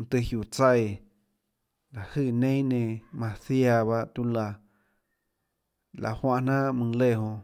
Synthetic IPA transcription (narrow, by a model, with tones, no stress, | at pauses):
t̪ɨ˧hju˨t͡sa˧˨j | la˨hɨː˧˨nẽ˦ĩ˦nẽ˧mã˧θja˧βa˧ʔt̪u˧la˧ | lʔa̰˨hwã˧ʔnã˦mɨ̃˧le˧˨ɦõ˧